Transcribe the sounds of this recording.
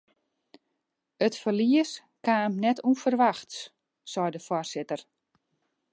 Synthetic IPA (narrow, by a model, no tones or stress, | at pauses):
ətfərliəs | kaːmnɛtʰunfərʋaxs | sɔjdəfwɔrsɪtər